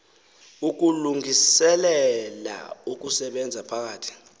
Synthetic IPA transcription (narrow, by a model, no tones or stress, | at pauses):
uk̬uluŋʱisɛlɛla̰uk̬ʼusɛɓɛnd͡zʱapʰak̬aːtʰi̥